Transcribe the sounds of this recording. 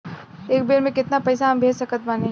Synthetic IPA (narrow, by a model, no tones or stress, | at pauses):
eːk̚beːɾmẽkɪt̪napɐjsaɦɐmbʱeːd͡ʒsɐkət̪maːnẽ